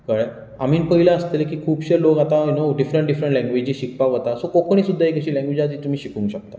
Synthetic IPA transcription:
kaɭ | am̤iːnpəɦilaəst̪elkiːkʰuːpɕeɾlokat̪ainoɖifɾəɳʈ̚ɖifɾəɳʈlɛ̃ŋɡʋed͡ʑiːɕik̚paʋət̪asokokəɳ̃iːsud̪ʱːaekəɕiːlɛ̃ŋɡʋed͡ʑad͡ziːt̪umiːɕikũŋkɕək̚t̪a

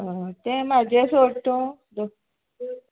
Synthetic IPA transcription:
ɦət̪ẽmad͡ʑʱesoɽt̪õ | d̪o

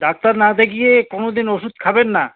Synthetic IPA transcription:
ɖak̚t̪aɾnad̪ekijekonod̪inoʃud̪kʰabenːa

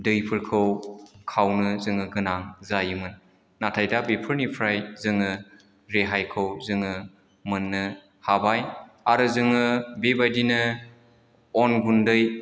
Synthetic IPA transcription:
dɯjpʰɯɾkʰɯwkʰawnɯzɯŋɯɡɯnaŋzajɯmɯnː | atʰajdabepʰɯɾnipʰɾajzɯŋɯ | ɾeɦajkʰɯwzɯŋɯ | mɯnːɯ | habaj | aɾɯzɯŋɯbebajdinɯ | ɔnɡundɯj

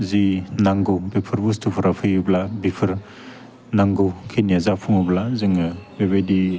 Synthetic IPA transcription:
zinaŋɡɯwbipʰɯɾbustʰupʰɯɾapʰɯjɯblabipʰɯɾ | naŋɡɯkʰeniazapʰuŋɯblazɯŋɯbebejdi

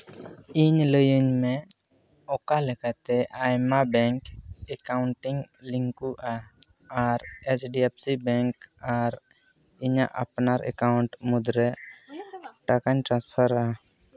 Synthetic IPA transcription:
iɲləjəɲmɛ | ɔkalɛkat̪ɛʔajmabɛŋkɛkawɳʈiŋliŋkuʔa | aɾet͡ʃɖiɛpsibɛŋkaɾ | iɲaʔa̰pnaɾʔɛ̰kawɳʈmud̪ɾɛ | ʈakaɲʈɾãnspʰaɾa

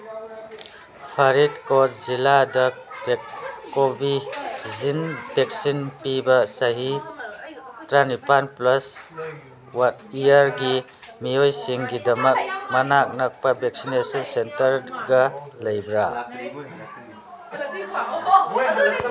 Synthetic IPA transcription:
pʰɐɾitkɔt̚ziladɐbkobizinbek̚sinpibɐsɐɦi | tɾanipanplɐs | watijaɾɡi | miojsiŋɡidɐmɐk̚mɐnak̚nɐk̚pɐbek̚sinesɔnsentɐɾɡɐlɐjbɾa

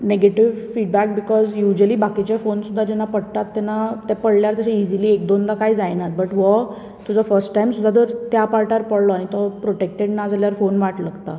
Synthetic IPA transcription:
neɡeʈiʋfiɖbæk̚bikɔzjud͡ʑəliːbakit͡ɕɛfonsud̪ʱːad͡ʑɛnːapəɽt̪at̪ːɛnat̪ɛpəɽljaɾt̪əɕeid͡ʑiliːek̚d̪ond̪akaid͡zajnat̪̚bəʈʋə | t̪ud͡zafəɾsʈʈajmsud̪ʱːat̪əɾt̪japaɾʈaɾpəɽlɔaɽ̃it̪ɔpɾoʈek̚ʈeɖnad͡zaljaɾfonʋaʈləɡt̪a

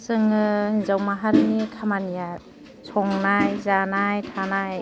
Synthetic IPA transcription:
sɯŋɯhizawmaɦaɾnikʰamanijat̚ | sʰɔŋnajzanajtʰanaj

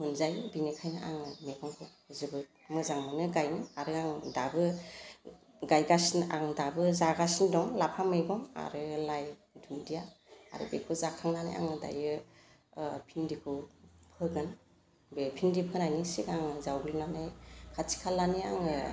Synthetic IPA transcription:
mɯnzajbinekʰajnɯʔa̰ŋɯmeɡɔŋkʰɯ | zɯbɯ | mɯzaŋmanɯɡajniaɾɯaŋdabɯ | ɡajɡasinʔaŋdabɯzaɡasindɔŋlapʰameɡɔma̰ɾɯlaj | dundijaa̰ɾɯ̰bekʰuzakʰaŋnana̰jʔa̰ŋɯda̰jɯ | pʰindikʰɯpʰɯɡɯn | bepʰindipʰɯnajnisikaŋɯzawɡɯlnanajkʰatʰi̥kʰalːaniaŋɯ

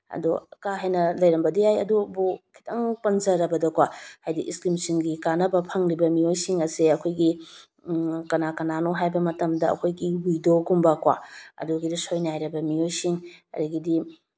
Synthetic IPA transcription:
ɐ̰dukaɦajnɐlɐjɾɐmbɐdijajɐ̰dubukʰi̥tʰɐŋpɐnzɐɾɐbɐdɐkwahajdiʔiskɾimsiŋɡikanɐbɐpʰɐŋɾibɐmiojsiŋɐseɐkʰojɡi | kɐnakɐnanoɦajbɐmɐtɐmdɐɐ̰kʰojɡibujdoɡumbɐkwa̰ɐ̰duɡidisojnajɾɐbɐmijojsiŋɐ̰ɾiɡidi

